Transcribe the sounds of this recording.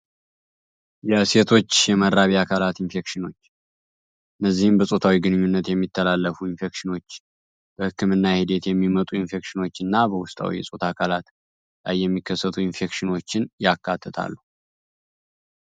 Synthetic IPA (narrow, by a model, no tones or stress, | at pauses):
jɛse̞t̪ʰo̞t͡ʃːjɛmədaβiakʰalat̪infe̞kʃɪno̞t͡ʃː | ɨnːəzːihɨmbəsʼo̞t̪ʰawiɡɨnɨɲːunːət̪jɛmːit̪ʰːəlalːəfuinfe̞kʃɪno̞t͡ʃː | b̥əhɨkʰːɨmɨnːahid̪e̞t̪jɛmːimət̪ʼuinfe̞kʃɪno̞t͡ʃːɨnːabəwʊst̪ʼa̰wḭjɛsʼo̞t̪ʰakʰalat̪ | la̰jːɛmːikʰːəsːət̪ʰuɪnfe̞kʃɪno̞t͡ʃːɪnjakːat̪ʰːət̪ʰa̰lːu